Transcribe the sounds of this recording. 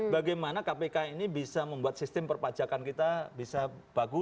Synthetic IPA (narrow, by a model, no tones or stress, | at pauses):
baɡajmanakapekainibisaməmbuat̪̚sist̪ɪmpərpḁd͡ʒakankit̪abisab̥aɡʊ